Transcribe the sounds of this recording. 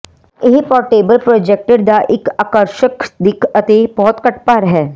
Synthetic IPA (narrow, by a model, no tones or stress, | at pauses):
ɪɦipɔːɾʈeːbəlpɾoːd͡ʒek̚ʈəɾd̪aʔɪkaːkəɾʃəkd̪ɪkʰɐt̪ebɔɦʊt̪kɐʈpaːɾɦɛː